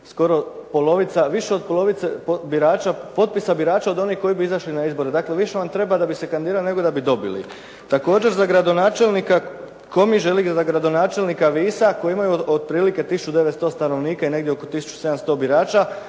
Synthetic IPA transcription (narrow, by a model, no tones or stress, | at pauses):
sko̞ɾo̞po̞lˠo̞ʋit̪saʋiʃeo̞d̪̚po̞lˠo̞ʋit̪epobiɾaːt͡ʃapo̞t̪̚pisabiɾaːt͡ʃao̞d̪o̞nihko̞jibiizaʃlinaizbo̞ɾed̪aːkleʋiʃe̞ʋant̪ɾe̞bad̪abise̞kand̪iːɾaline̞ɡo̞d̪abid̪o̞bḭlḭ | t̪ako̞ːd͡ʒe̞ɾzaɡɾad̪o̞naːt͡ʃe̞lnika | ko̞miʒe̞lizaɡɾad̪o̞naːt͡ʃe̞lnikaʋiːsako̞jeimajuod̪̚pɾiːlike̞t̪isu̥t͡ʃud̪e̞ʋet̪st̪o̞ːst̪ano̞ʋniːkaine̞ɡd̪jeo̞ko̞t̪isu̥t͡ʃu̥se̞d̪amst̪o̞ːbiɾaːt͡ʃa